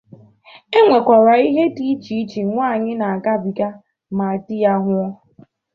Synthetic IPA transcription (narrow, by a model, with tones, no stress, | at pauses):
e˦ŋʷe˨kʷa˨ɾa˨i˦ɦe˦ti˨˦t͡ʃi˨˦t͡ʃi˨ŋʷaː˦˨ɲɪ˦na˨a˨ɡa˦bi˨ɡa˦ | ma˨a˨ti˦ja˦ɦʷʊ˦ɾa˦